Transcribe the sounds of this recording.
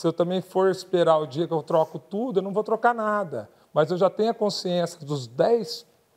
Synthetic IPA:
sɪewt̪ɐ̃mbẽj̃foɾɪspeɾaʊd͡ʒiɐkɪewt̪ɾɔkʊt̪ud̪ʊewnɐ̃w̃vowt̪ɾokanad̪ɐ | mɐzewʒat̪ẽɲʊɐkõsiẽsɪɐd̪ʊzd̪ɛjs

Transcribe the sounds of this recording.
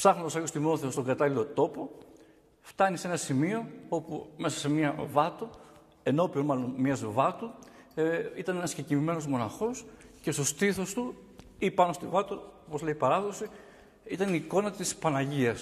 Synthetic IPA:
psɐɣnoosɐjost̪imoθe̞ost̪o̞ŋɡɐt̪ɐlilo̞t̪o̞po̞ | ft̪ɐnise̞nɐsimio̞o̞pume̞sɐsemiɐvɐt̪o | e̞no̞pionmɐlo̞nmiɐzvɐt̪u | it̪ɐnenɐsçecivime̞no̞zmo̞nɐxo̞sce̞st̪o̞st̪iθo̞st̪uipɐno̞st̪ivɐt̪oopo̞zleipɐɾɐðo̞si | it̪ɐniːko̞nɐt̪ispɐnɐʝiɐs

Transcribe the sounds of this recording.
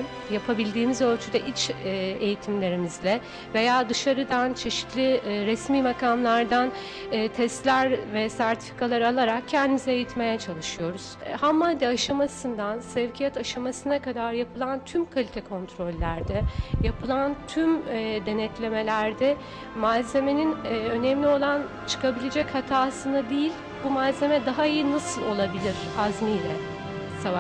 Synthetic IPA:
japʰabilʲd̪iːmizø̞lʲt͡ʃʰyd̪ɛʔit͡ʃːejit̪ʰimlʲe̞ɾimizlʲɛ | ve̞jaːd̪ɯʃaɾɯd̪ant͡ʃʰe̞ʃi̥t̪lʲiɾɛsmiːmakʰamlˠaɾd̪anː | t̪ʰɛst̪lʲæɾvɛsæɾt̪ʰi̥fi̥kʰalˠaɾalˠaɾak̚cʰːɛnd̪imizɛejit̪me̞jɛt͡ʃʰalˠɯʃɯjo̞ɾuz̥hamːand̪ɛaʃamasɯnd̪ansɛvcʰijɛt̪ʰaʃamasɯnakad̪aɾjapʰɯlˠant̪ʰymkʰalʲit̪ʰɛkʰo̞nt̪ʰɾo̞lʲːæɾd̪ɛjapʰɯlˠant̪ʰymd̪e̞nɛt̪lʲe̞me̞lʲæɾd̪ɛ | malze̞me̞ninø̞nɛmlʲio̞lˠan | t͡ʃʰɯ̥kʰabilʲed͡ʒɛchat̪ʰaːsɯnad̪ejilʲ | bumalze̞mɛd̪aɦaijɯnasɯlˠo̞lˠabilʲiɾ̥azmijlʲɛ | sava

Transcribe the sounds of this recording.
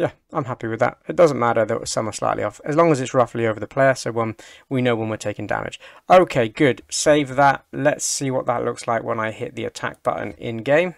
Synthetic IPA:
jæ | ãɪ̃mɦæpiwɨðə̰tɨt̚d̥ʌzə̃n̩mæɾə˞ðoʊ̥sʌ̰məsla̰ɪʔˡlḭɔfɨzlɒ̃ŋəzɨtsɹʌflioʊvə˞ðəpʰl̥eɪə˞soʊwʌ̃nwinoʊwʌ̃nwətʰeɪkɪ̃ŋdæ̰mɪ̰d̥d͡ʒ̥oʊkʰeɪɡʊd̥seɪvðəʔ̚lətsiwɒʔ̪̚ðə̰ʔlʔʊkslaɪkwə̰̃naɪhɪ̰ʔ̪̚ðiɨ̰tʰæ̰k̚b̥ʌ̰ʔn̩ɪ̰̃nɡẽɪ̃m

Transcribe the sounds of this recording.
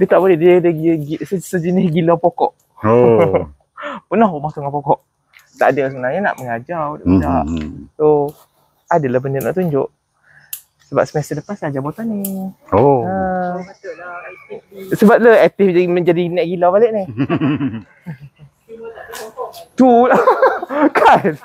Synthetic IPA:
diət̪aʔbolɛhddəɡssəd͡ʒənɪsɡilapokɔ̰ʔ | pənaɦomaht̪uŋapɔkɔʔ | t̪a̰ʔdəlasəbənaɲana̰ʔməŋad͡ʒadaʔədaʔt̪o | adəlahbənəna̰ʔt̪uɲd͡ʒʊʔ | səba̰p̚səmasədəpansad͡ʒabot̪anioə | səbap̚laɛt̪ɪfməɲd͡ʒadinɛʔɡilawbaleʔnɪh | t̪ul | kʰa

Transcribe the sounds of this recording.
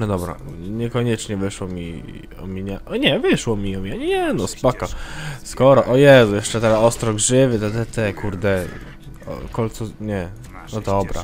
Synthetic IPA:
nɔd̪ɔbɾa̰ɲɛkɔɲɛt͡ʂɲɛvɘʂwɔmʲḭ | ɔ̰mʲiɲaʔɲɛvɘʂwɔmʲiɔmʲiɲaɲɲɛnɔspakaskɔɾɔʔɔjɛzujɛʂt͡ʂɛt̪ɛɾaɔst̪ɾɔɡʐɘvɘt̪ɛt̪ɛt̪ɛkuɾd̪ɛ | ɔ̰kɔlt̪suɲɛ | nɔd̪ɔbɾa̰

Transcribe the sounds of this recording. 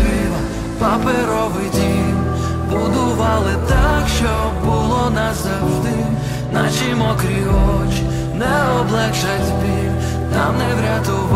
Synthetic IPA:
i | pɐpeɾɔʋɪd̪ʲim | bʊd̪ʊʋɑlˠɪt̪akʃt͡ʃɔbʊlˠɔnazaʒd̪ɪ | nat͡ʃimɔkɾʲiɔt͡ʃi̥ | nɛɔblˠɛkʃat̪ʲbʲi | namnɛwɾʲat̪ʊʋ

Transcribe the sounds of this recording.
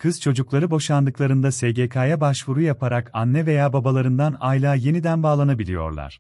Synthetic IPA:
kʰɯz̥t͡ʃʰo̞d͡ʒuklˠaɾɯbo̞ʃand̪ɯklˠaɾɯnd̪aseɟekʰaːjabaʃvuɾujapʰaɾakanːɛve̞jaːbabalˠaɾɯnd̪anajlʲˠaːje̞nid̪ænbaːlˠanabilʲḭjo̞̰ɾlˠa̰ɾ̥

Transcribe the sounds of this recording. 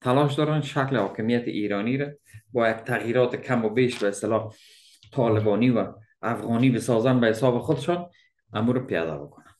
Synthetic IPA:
t̪ʰalɔʃ̬d̪ɒɾanʃaklɪhɒkɪmijat̪ɪ̰ʔiɾɔniɾa | bɒjad̪̚t̪ʰːaɣjiɾɒt̪ɪkʰamʊbeʃbaɪst̪ɪlɒ | t̪ʰɒlɪbɒniwaː | fɣɒnibɪsɔzanbahɪsɒbɪχʊd̪ɪʃɒn | amuɾapijɒ̰d̪a̰bɪkʊnan

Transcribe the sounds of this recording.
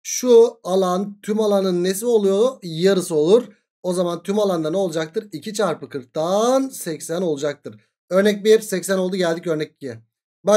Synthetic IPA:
ʃualˠant̪ʰymalˠanɯnːes̬ilʲo̞lˠujojaɾɯsɯo̞lˠuɾ | o̞zamant̪ʰymalˠand̪aneolˠud͡ʒak̚t̪ʰɯɾicʰit͡ʃʰaɾpɯkʰɯɾk̚t̪ʰansɛcsæno̞lˠud͡ʒak̚t̪ʰɯɾ | ø̞ɾnɛc̚biɾsɛcsæno̞lˠd̪uɟælʲd̪icø̞ɾnɛc̚ːiɛ | ba

